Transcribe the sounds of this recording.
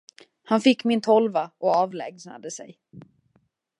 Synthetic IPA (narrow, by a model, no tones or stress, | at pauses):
hanfɪkːmɪnt̪ʰɔlvaʔɔɑːvlɛːɡsna̰d̪əsɛ̰j